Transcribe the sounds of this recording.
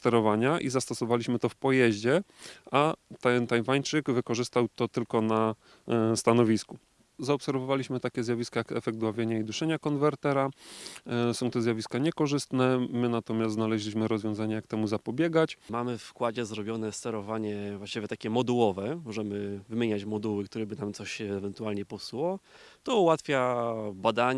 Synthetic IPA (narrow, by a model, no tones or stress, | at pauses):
st̪ɛɾɔvaɲaʔizast̪ɔsɔvalʲiɕmɘt̪ɔfpɔjɛʑd͡ʑɛʔat̪ɛnt̪ajvaɲt͡ʂɘɡvɘkɔʐɘst̪awt̪ɔt̪ɘlkɔna | st̪anɔvʲisku | zaɔpsɛɾvɔvalʲiɕmɘt̪akʲɛzjavʲiskajakɛfɛɡ̚t̪wavʲjeɲaid̪uʂɛɲakɔnvɛɾt̪ɛɾa | sɔ̃w̃t̪ɔzʲjavʲiskaɲɛkɔʐɘst̪nɛmɘnat̪ɔmʲjast̪znalɛʑlʲiɕmɘɾɔzvjɔ̃zaɲajak̚t̪ɛmuzapɔbʲjɛɡat͡ɕmamɘfkwad͡ʑɛzɾɔbʲjɔnɛst̪ɛɾɔvaɲɛvwaɕt͡ɕivʲɛt̪akʲɛmɔd̪uwɔvɛmɔʐɛmɘvɘmʲjeɲat͡ɕmɔd̪uwɘk̚t̪uɾɛbɘnamt̪sɔɕːvɛnt̪ualɲɛpɔswɔt̪ɔuwat̪fʲjabad̪aɲ